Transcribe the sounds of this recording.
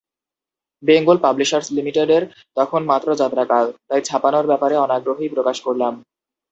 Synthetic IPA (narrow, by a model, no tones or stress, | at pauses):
beŋɡolpabliʃaɾslimiʈeɖeɾ | t̪ɔkʰonmat̪ːɾod͡ʑat̪ɾakalt̪ajd͡ʑʰapanoɾbɛpaɾeɔnaɡɾoɦijpɾokaʃkoɾlam